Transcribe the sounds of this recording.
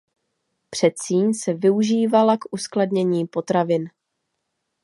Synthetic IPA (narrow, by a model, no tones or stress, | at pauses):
pr̝̥ɛt̪t͡siːɲsɛvɪuʒiːvalakʔuskladɲɛɲiːpo̞t̪ɾavɪn